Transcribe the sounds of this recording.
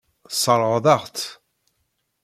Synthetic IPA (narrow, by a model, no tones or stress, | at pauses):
sˤəɾˤʁðˤɑʁt̪